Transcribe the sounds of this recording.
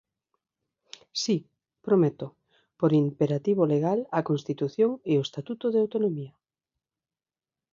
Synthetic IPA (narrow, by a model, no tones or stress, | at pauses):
si | pɾomet̪o | poɾimpeɾat̪iβoleɣalɐkonst̪it̪uθjoŋeoest̪at̪ut̪oðeawt̪onomiɐ